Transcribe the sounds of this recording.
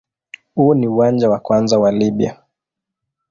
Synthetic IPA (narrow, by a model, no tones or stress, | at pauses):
huɔniuwand͡ʒawakwanzawaliɓia̰